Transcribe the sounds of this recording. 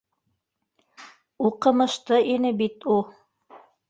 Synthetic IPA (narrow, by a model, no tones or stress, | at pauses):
uqɤ̆mɤ̆ʃt̪ɤʔinɘbit̪u